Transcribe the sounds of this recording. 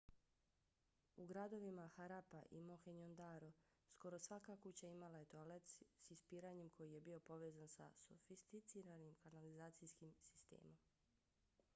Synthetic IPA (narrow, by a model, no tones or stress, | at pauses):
uɡɾad̪o̞ʋimaxaɾapaʔḭmoxeɲond̪aɾo | sko̞ɾo̞sʋakakut͡ɕaimalaje̞t̪olet̪ssispiːɾaɲemkʰo̞jije̞bio̞po̞ʋe̞ːzansa̰sofist̪it̪siɾanimkanalizaːt̪sijskimsi̥st̪ḛːmo̞m